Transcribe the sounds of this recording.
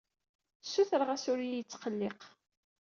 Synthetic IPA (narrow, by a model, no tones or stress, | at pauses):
sːuθəɾʁasʊɾijət͡sːqəlːeq